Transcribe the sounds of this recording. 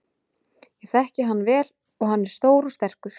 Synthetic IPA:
jɛɣθɛhcɪɦanːvɛːl | ɔɣhanːɛɾ̥st̪oːwɾʏst̪ɛr̥kʏ

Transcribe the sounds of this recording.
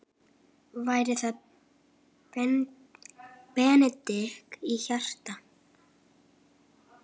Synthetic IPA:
vaːjɾɪθað | pɛːnɛt̪ɪhkiçar̥t̪a

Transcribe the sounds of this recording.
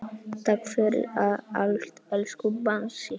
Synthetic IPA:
t̪ʰakfœɾɪ̰aa̰lt̪ɛlskubansɪ

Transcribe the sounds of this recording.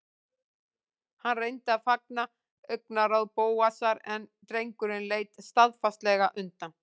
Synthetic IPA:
hanrejnt̪ɪaðfak̚na | œɥk̚naɾawðpoːwasaɾɛnt̪ɾejŋkʏɾɪnleːjt̪st̪aðfast̪lɛɣaʔʏnt̪am

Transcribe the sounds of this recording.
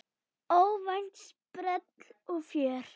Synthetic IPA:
ɔlvajn̥t̪spɾɛt̪lɔɣfjœːɾ̥

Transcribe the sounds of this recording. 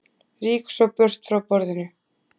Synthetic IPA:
riːksɔpœr̥t̪fɾawpɔɾðɪnʏ

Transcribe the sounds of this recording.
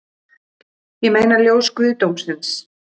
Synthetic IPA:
jɛmeːjnaɾljoːwskvɪðt̪owmsɪns

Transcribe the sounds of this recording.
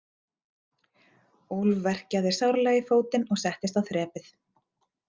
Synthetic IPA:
ulvvɛr̥caðɪɾ̥sawɾalɛːjɪfoːwt̪ɪnɔɣsɛht̪ɪst̪awθɾɛːpɪθ

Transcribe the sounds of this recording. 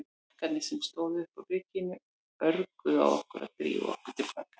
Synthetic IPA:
kʰat̪nɪsɛmst̪oːwðɪʏhpawrɪːcɪnʏ | œɾkʏa̰wɔ̰hkʏɾa̰ðt̪ɾḭːɔ̰hkʏɾ̥t̪ɪpvakḁ

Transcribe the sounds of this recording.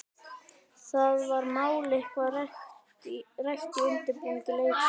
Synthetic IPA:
θaðvaɾnaːwlehkvarh | raxt̪iɪnt̪ɪpuŋcɪleːj

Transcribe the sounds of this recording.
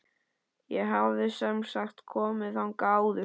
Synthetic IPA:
jɛɦavðɪsɛmsaxt̪kʰɔːmɪθhawnkawðɪ

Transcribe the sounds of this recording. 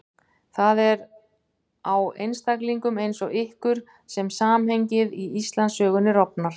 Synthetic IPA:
θaðɛɾ | awejnst̪ʰakliŋkʏmejnsɔɣɪhkʏɾ̥ | sɛmsaːmhejɲcɪðiist̪lansœːɣʏnːɪɾɔpnaɾ̥

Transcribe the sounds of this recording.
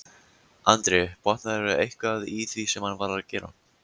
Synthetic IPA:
ant̪ɾɪpɔht̪naðɛɾʏejhkvaðiθvisɛmhanːvaːɾaðcɛːɾa̰n

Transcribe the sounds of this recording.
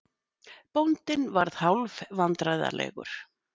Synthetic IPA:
pownt̪ɪnvaɾð̥hawlvvant̪ɾajða̰lɛ̰ːɣʏ̰ɾ̥

